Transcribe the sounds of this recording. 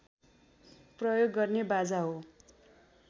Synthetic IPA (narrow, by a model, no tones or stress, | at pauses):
prʌjoɡːʌrnebad͡zaɦo